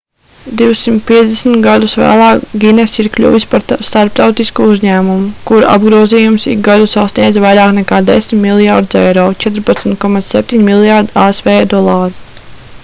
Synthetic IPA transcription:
d̪iwsimt̪̚piɛzd̪esmt̪ɡad̪usʋæ̰ːlˠɑːɡʲinɛsiɾklʲṵːʋispaɾst̪aɾp̚t̪awt̪iskuuzɲæːmumukuɾa̰bɡɾuɔziːjumsḭɡɡad̪usasnʲiɛd̪zvajɾaːknɛkaːd̪esʲmʲmilˠjaɾd̪zɛ̰jɾɔːt͡ʃɛt̪ɾpat̪smʲt̪̚kɔmat̪ssɛp̚ʲt̪iɲmilˠjaɾd̪iaesvɛːd̪ɔlˠaːɾu

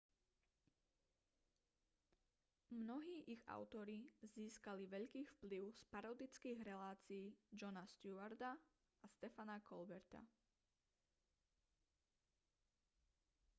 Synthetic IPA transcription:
mnɔɦiːʔiɣa̰ʊt̪ɔɾiziːskaliʋɛʎkiːfpliʊspaɾɔd̪it͡skiːɣɾɛlaːt͡siiːd͡ʒɔnast̪juaɾd̪a | ast̪ɛfanakʰɔlbɛɾt̪a̰

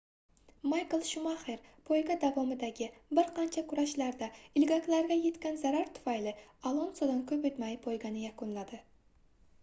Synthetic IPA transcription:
majklˠʃʊmaχeɾpʰojɡʲad̪avɒmɪd̪aɡʲɪbɪɾqʰɑnt͡ʃʰakʰʊɾaʃlaɾd̪aɪlɡʲakʲlaɾɡʲaje̞t̪kʲanzaɾaɾt̪ʰʊ̥fajlɪalˠonsɒd̪ankʲʰɵpet̪majpʰojɡʲanɪjakʊnlad̪ɪ

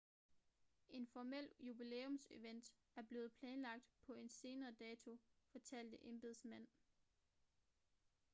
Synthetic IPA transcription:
ʔe̝nfɒmel̰jub̥ilḛːɔ̽mse̝ʋen̰d̥ | æɐb̥le̝ːð̩ˠpʰlɛːnlɑ̈ɡ̥̚d̥pʰɒ̽e̝nse̝ːnɐːd̥ɛːt͡sʰo̝fɒ̽t͡sʰæl̰d̥əʔe̝mb̥e̝ðˠsmæn̰

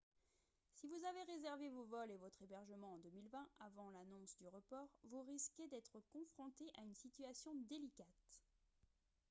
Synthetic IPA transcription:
sivuzaveʁezɛʁvevovɔlevɔt̪χebɛʁʒəmɑ̃ɑ̃d̪əmilvɛ̃avɑ̃lanɔ̃sd̪yʁəpɔːʁvuʁiskʲed̪ɛt̪χəkɔ̃fχɔ̃t̪eʔaynsit̪ɥasjɔ̃d̪elikat̪

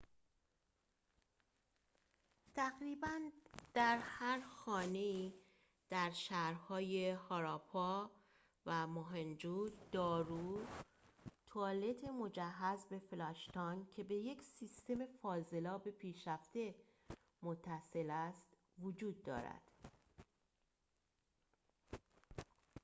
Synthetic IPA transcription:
t̪ʰæɣɾiːbænd̪̥æɾhæɾxɒːne̞iː | d̪̥æɾʃæhɾhɒːje̞hɒːɾɒpʰɒ | væmoɦend͡ʒud̪̥ɒːɾuː | t̪ʰoɒːle̞t̪ʰe̞mo̞d͡ʒæɦːæzbe̞flɒʃt̪ɒncʰe̞be̞je̞cʰsist̪e̞me̞fɒːze̞lɒːbe̞pʰiːʃɾæft̪e̞ | mot̪ʰːæse̞læst̪ | vod͡ʒuːd̪̚ːɒ̰ːɾæ̰d̪̥

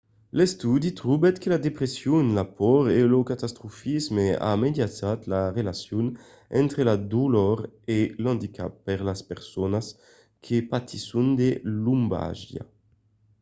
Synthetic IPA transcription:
lɛst̪ud̪it̪ɾubɛt̪kelad̪epɾesjunlapɔɾelokat̪ast̪ɾufizmea̰med̪jat͡sat̪laʁelasjun | ɛnt̪ɾelad̪ulɔɾelɑ̃nd̪ikʰa̰pːɛʁlaspeʁsonas | kʰepat̪ʰisund̪elumba̰ʒja̰

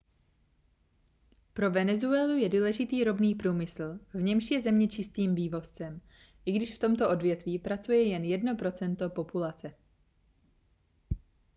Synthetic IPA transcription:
pɾo̞vɛnɛzuɛːlujɛduːlɛʒɪt̪iːɾo̞bniːpɾuːmɪsl̩vɲɛmʃjɛzɛmɲɛt͡ʃɪst̪iːmviːvo̞st͡sɛm | ʔɪɡdɪʃft̪o̞mt̪o̞ʔo̞dvjɛt̪viːpɾat͡sujɛjɛnjɛdno̞pɾo̞t͡sɛnt̪o̞po̞pulat͡sɛ

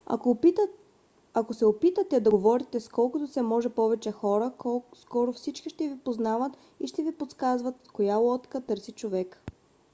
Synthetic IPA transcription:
akosɛopit̪ət̪ɛd̪ɐɡovɔɾit̪ɛskɔlˠkʊt̪ʊsɛmɔʒɛpɔvɛt͡ʃɛxɔɾəskɔɾʊfsit͡ʃkiʃt̪ɛvipoznavət̪ | iʃt̪ɛvipot̪skazvət̪kojalˠɔt̪kət̪ɤɾsit͡ʃovɛk

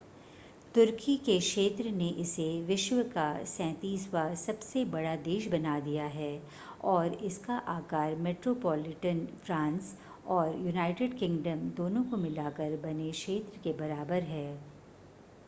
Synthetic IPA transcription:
t̪ʊɾkikekʃeːt̪ɾəneʔɪseʋɪʃwəkasɛ̃ːt̪iːsʋasɐbsebɐɽad̪eːʃ̬bɐnad̪ijaɦɛː | ɔːɾɪskaʔaːkaːɾmeːʈɾoːpɔːlɪʈənfɾãːns | ɔːɾjunaːɪʈɪɖkɪ̃ŋɡɖəmd̪oːnõkomɪlaːkəɾbɐneʃeːt̪ɾəkebɐɾaːbəɾɦɛː

